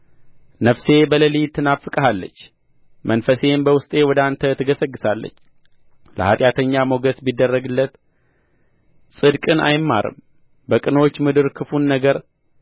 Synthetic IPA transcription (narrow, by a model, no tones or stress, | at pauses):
nəfse̞bələlijt̪ʰːɨnafːɨkʼəɦalːə̰t͡ʃː | mʔənfəse̞mbəwʊst̪ʼe̞wɔd̪ant̪ʰət̪ʰɨɡəsəɡːɨsalːə̰t͡ʃː | lə̰hat̪ʼjat̪ʰəɲːamoɡəsbid̪ːərːəɡɨlːət̪ | sʼɨd̪kʼɨnʔa̰jmːa̰ɾɨ̰m | bəkʼɨno̞t͡ʃːmɨd̪ɨɾkʰɨfunːəɡəɾ